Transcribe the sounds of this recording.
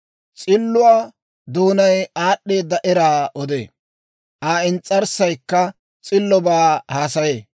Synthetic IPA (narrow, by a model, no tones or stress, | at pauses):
t͡sʼɪlːʊwaː | d̪uːnɐjaːɗːe̞ːd̪ːɐʔɛɾaːʔɔd̪ḛː | ʔaːɪnt͡sʼːɐɾsɐjkːɐ | t͡sʼɪlːɔbaːhaːsɐjeː